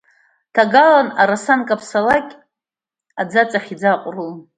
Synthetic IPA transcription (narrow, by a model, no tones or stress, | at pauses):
tʰaɡalanaɾasankʼapʰsalakʲʼ | ad͡zat͡sʼaχʲid͡zaqʷʼru